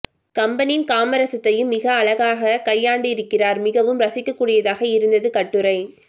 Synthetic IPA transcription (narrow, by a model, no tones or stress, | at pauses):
kɐmbɐnijɪnkaːmɐɾɐsɐt̪ːɐjɯmːɪɣɐːɭɐɣaːɣɐkɐjːaːɳɖɯɪɾɯkːɪraːɾmɪɣɐʋɯmɾɐsɪkːɐkːuːɽɪjɐðaːɣɐɪɾɯnd̪ɐðɯkɐʈːɯɾɐɪ